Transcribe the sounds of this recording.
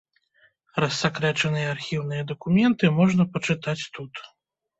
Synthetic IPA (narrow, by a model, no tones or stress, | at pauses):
ɾɐsːakɾɛt͡ʂɐnɨjɐarxʲiwnɨjɐd̪ɐkumʲɛnt̪ɨmɔʐnɐpɐt͡ʂɨt̪at͡sʲt̪ut̪